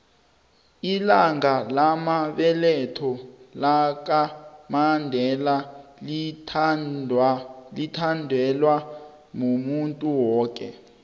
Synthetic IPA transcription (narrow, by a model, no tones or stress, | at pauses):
ilaŋalamaɓɛlɛtʰɔlak̬amandʱɛlal | litʰandʱɛlwa | ŋomuntʼuwɔːk̬ʼɛ̰